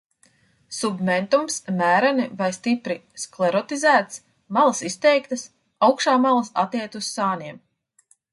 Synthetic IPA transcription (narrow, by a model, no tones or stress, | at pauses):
submɛnt̪umsmæːɾanivajst̪ipɾisklˠɛɾɔt̪izæːt̪s | malˠɐsist̪ɛjkt̪ɐs | awkʃaːmalˠɐsat̪iɛt̪usːaːniɛm